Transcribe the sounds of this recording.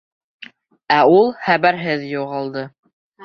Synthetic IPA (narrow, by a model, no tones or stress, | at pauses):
æulˠχæβæɾɦɘðjuʁɑlˠd̪ɤ